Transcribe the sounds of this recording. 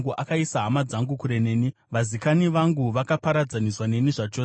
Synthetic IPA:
ŋɡuʔakaisaɦamad͡zaŋɡukuɾe̞ne̞ːni | ʋazikaniʋaŋɡuʋakapaɾad͡zaniswane̞niʐat͡ʃoːs

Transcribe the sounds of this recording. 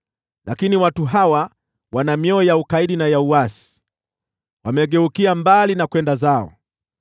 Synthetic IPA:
lakiniwatuɦawa | wanamjɔijaukaiɗinajauwasi̥ | wamɛɠɛukiambalinakwɛndazaɔ̰

